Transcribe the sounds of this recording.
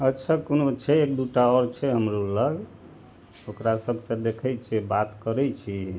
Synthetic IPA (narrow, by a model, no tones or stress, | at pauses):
ətːt͡ʃʰakonot͡ʃʰɛekd̪uʈaɔɾt͡ʃʰɛɦəmɾuləɡ | okɾasəbʱsə̃d̪ekʰɛt͡ʃʰɛbat̪kəɾɛt͡ʃʰi